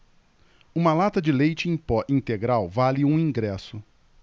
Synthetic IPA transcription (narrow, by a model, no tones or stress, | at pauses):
ũmɐlat̪ɐd͡ʒɪlejt͡ʃɪĩpɔʔĩt̪eɡɾawvalɪũĩɡɾɛsʊ